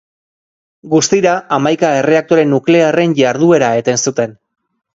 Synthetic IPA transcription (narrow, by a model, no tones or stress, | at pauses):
ɡust̪iɾaamajkae̞re̞ak̚t̪o̞ɾe̞nukle̞are̞nʝaɾðue̞ɾae̞t̪e̞nsut̪e̞n